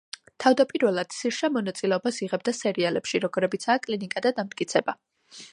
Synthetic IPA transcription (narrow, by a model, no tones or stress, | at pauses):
t̪ʰavd̪apʼiɾvɛlˠad̪̥siɾʃamɔnat̪sʼilɛɔbasiʁɛb̚d̪asɛɾialɛpʃiɾɔɡɔɾɛbit̪sʰaːkʼlinikʼad̪ad̪amt̪̚ʼkʼit̪sʰɛba